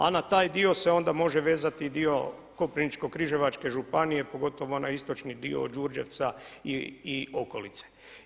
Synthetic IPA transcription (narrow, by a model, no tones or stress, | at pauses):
a̰nat̪aːjd̪io̞se̞o̞nd̪amo̞ʒe̞ʋe̞ːzat̪id̪io̞ | ko̞pɾinit͡ʃko̞kɾiʒe̞ʋat͡ʃke̞ʒupanije̞po̞ɡo̞t̪o̞ʋo̞nʔaist̪o̞t͡ʃnid̪io̰d͡ʒuɾd͡ʒe̞ʋt̪saiio̞ko̞lit̪se̥